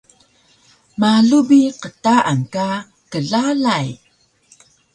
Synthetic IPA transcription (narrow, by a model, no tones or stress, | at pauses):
maɮubiqətaʔaŋka | kəɮalaj